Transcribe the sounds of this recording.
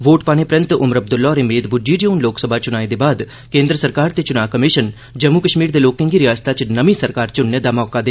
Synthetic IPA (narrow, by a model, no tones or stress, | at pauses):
ʋoːʈpaːñepɾə̃nt̪ʊməɾəb̚d̪ʊlːaɔːɾɪmeːd̪bʊd͡ʒiːd͡ʒoʊnloːksəbʱat͡ʃʊnaːed̪eːbaːd̪ | kẽːnd̪ɾəsəɾkaːɾt̪et͡ʃʊnaːkəmiːʃən | d͡ʒəmːukəʃmiːɾd̪eːloːkə̃ŋɡiɾɪjaːst̪ʰat͡ʃnəʋĩsəɾkaːɾt͡ʃʊnːed̪aːmɔːkad̪eː